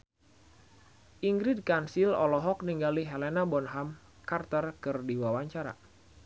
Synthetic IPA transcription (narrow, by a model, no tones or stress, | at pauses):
ʔiŋɡɾid̚kansilɔ̰lɔɦɔk̚niŋɡaliɦɛlɛnabɔnɦam | kart̪ərkɨrdiwawaɲt͡ʃaɾa̰